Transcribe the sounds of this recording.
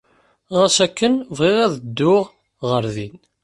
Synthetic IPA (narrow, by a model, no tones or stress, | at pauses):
ʁæsækːənvʁɪʁæðəd̪ːʊʁ | ʁəɾðin